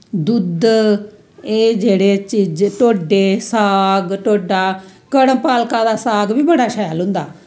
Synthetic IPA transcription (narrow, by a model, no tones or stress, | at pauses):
d̪ʊd̪ | eːd͡ʒeːɽeːt͡ʃiːd͡ʒʈoːɖeːsaːɡʈoːɖaːkəɽəmpaːlkãːd̪aːsaːɡbiːbəɽaːʃaːjlɦʊ̃nd̪aː